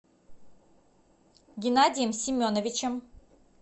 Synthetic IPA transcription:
ɡʲinad̪ʲijəmsʲimʲːonovʲit͡ʃʰəm

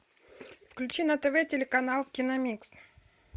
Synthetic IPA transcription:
fklʲʉt͡ɕinɐt̪ɛvɛtʲɪlʲɪkɐnalˠkʲinɐmʲiks

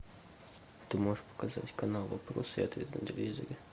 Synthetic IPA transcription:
t̪ɪmɔpɔ̥kɐzɑ̰tʲkɐnɑlˠʋɐpɾɔ̰sɛ̰t̪it̪ɾɐnd̪ɪʋʲizɔ̰ɾʲɪ

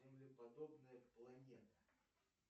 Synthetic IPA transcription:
zʲɪmlʲɪpɐd̪obnəjəplˠɐnʲe̞t̪ə̥

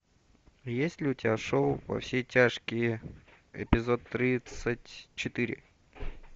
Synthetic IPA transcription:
jesʲlʲɪʊtʲɪaʂolˠvɐ̰fsʲetʲaʂkʲɪj | ɪ̰pʲɪzo̞t̪ːɾʲit̪sətʲt͡ɕɪt̪ɨɾʲɪ̰

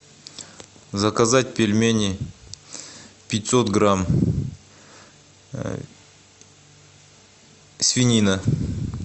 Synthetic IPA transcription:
zɐkazatʲpʲelʲmʲenʲɪ | pʲɪtʲsot̪ɡram | sʲvʲinʲinə

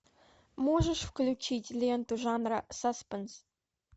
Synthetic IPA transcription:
moʒə̆ʂfklʲut͡ɕitʲlʲent̪uʒɑnrɑsaspʲɘns

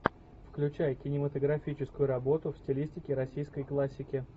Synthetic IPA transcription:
fklʲʉt͡ɕæjkʲɪnʲɪmət̪əɡɾɐfʲit͡ɕɪskʊjʊɾɐbo̞t̪ʊfsʲtʲɪlʲisʲtʲɪkʲɪɾɐsʲijskəjklˠasʲːɪkʲɪ

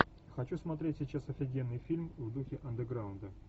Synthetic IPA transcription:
xɐt͡ɕusmɐt̪ɾʲetʲsʲɪt͡ɕasɐfʲɪɡʲenːɨjfʲilʲmvd̪uxʲɪʔɐnd̪əɡɾaʊnd̪ə

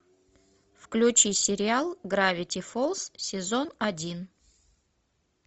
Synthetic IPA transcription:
fklʲʉt͡ɕisʲɪɾʲɪalˠɡɾavʲɪtʲɪfolˠssʲɪzonɐdʲin

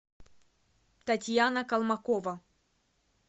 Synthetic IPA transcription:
t̪ɐtʲjanəkɐlˠmɐkovɐ

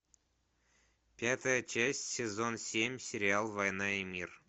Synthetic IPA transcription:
pʲat̪əjət͡ɕæsʲtʲsʲɪzo̞nsʲemʲsʲɪɾʲɪalˠvɐjnɑimʲir

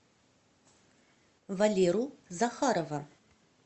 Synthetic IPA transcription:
valʲeɾuzaxaɾɐvɐ

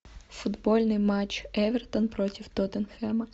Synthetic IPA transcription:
fʊd̪bɔlʲnɪjmɑt͡ʃɛʋʲert̪ɔnpɾɔtʲiwt̪ɔt̪enxɛmɐ

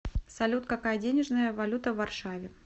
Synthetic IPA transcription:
sɐlʲut̪kɐkajədʲenʲɪʐnəjəvɐlʲut̪əvːɐrʂavʲɪ

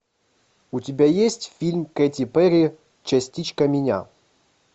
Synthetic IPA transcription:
utʲɪbʲajesʲtʲfʲilʲmkɛtʲipɛɾʲi | t͡ɕasʲtʲit͡ɕkɐmʲɪnʲa̰

